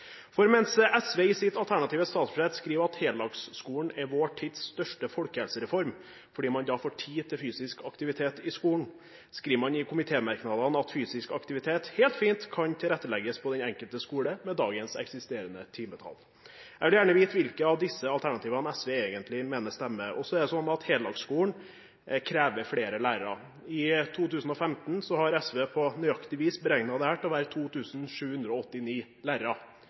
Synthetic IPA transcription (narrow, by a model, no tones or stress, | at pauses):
fɔɾmɛnsɛsʋeːɪsɪt̪ɑlt̪ʰæɳɑt̪ʰiːʋəst̪ɑːt̪sfeːt̪skɾiːʋɑt̪heːllɑɡsskuːɳ̩ɛɾʋoːʈʰid̪sst̪œʂʈəfɔlkəhɛlsəɾɛfɔɾm | fɔɖiːmɑnd̪ɑfoːʈʰiːt̪ʰɪlfyːsɪskɑkt̪ɪʋɪt̪ʰeːt̪ɪskuːɳ̩ | skɾiːʋəmɑnɪkʰʊmɪt̪ʰeːmæɾknɑd̪ɑnɑt̪fyːsɪskɑkt̪ɪʋɪt̪ʰeːt̪heːlt̪fiːnt̪kʰɑnt̪ʰɪlɾɛt̪ːəlɛɡəspʰɔd̪ɛnɛŋkəlt̪əskuːɽəmɛd̪ɑːɡənsɛ̰ksɪst̪eːɾənət̪ʰiːmət̪ʰɑ̰l | æɛɡʋɪljæːɳəʋiːt̪ʋɪlkəɑʋd̪ɪsːəɑlt̪ʰæɳɑt̪iːʋɑnɛsʋeːeːɡənt̪lɪmeːnəst̪ɛmːəʔɔsɔɛɖ̪ɛsɔnːɑt̪heːld̪ɑɡskuːəɳ | kʰɾeːʋəɾfɽeːɾəlæːɾəɾɑ̰ | ɪt̪ʰuːt̪ʉːsn̩ɔfɛmt̪n̩sɔhɑɾɛsʋeːpʰɔnyɑkt̪ɪʋiːsbəɾɛŋnɑd̪əhæːʈɔʋæːɾət̪ʰuːt̪ʰʉːsnʂʉːhʉnd̪ɾəɔɔt̪ːɪniːlæːɾəɾɑ